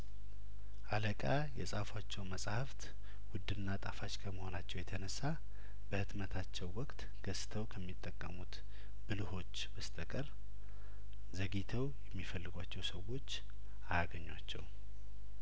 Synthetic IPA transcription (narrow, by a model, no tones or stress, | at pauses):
ʔaləkʼa | jɛ̰sʼafwat͡ʃːɛwməsʼhaft̪ | wʊd̪ːɨnnːat̪ʼafat͡ʃkʰəməho̞nat͡ʃːɛwjɛt̪ʰənəsːa | bəhɨd̪mət̪ʰat͡ʃːɛwːɔkʼt̪ | ɡ̥əst̪ʰəwkʰəmːit̪ʼːəkʼːəmut̪ | bɨlɨho̞t͡ʃːbəst̪ʰəkʼəɾ | zəɡit̪ʰəwjɛmːifəlːɨɡʷat͡ʃːɛwsəwo̞t͡ʃː | ajaɡəɲːwat͡ʃːɛ̰w